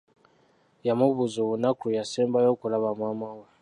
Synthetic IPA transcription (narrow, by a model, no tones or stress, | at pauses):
jamuβuzuβunakɾujasɛmbajɔkulaβamwamawɛ